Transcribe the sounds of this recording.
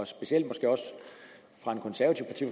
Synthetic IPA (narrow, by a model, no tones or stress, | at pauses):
sb̥e̝siel̰d̥mɒ̽sɡ̥e̝̰ːɒ̽s | fʁɑ̈e̝nkʰɔ̽nsæɐʋɐt͡sʰiʊ̰pɑt͡sʰḭf